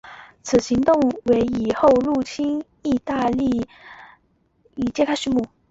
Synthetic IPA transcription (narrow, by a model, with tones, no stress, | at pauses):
t͡sʰɹ̩˨˩ɕi˧˥ŋt̪ʊ˥˧ŋwe˧˥ɪi˨˩xo˥˧ʊɻu˥˩t͡ɕʰi˥n | i˥˧t̪a˥˧li˥˩ | i˨˩t͡ɕjɛ˥˧kʰa˥ʂy˨˧˥mu˥˩